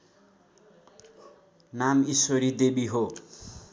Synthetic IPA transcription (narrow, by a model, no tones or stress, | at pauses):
namisoɾid̪ebiɦo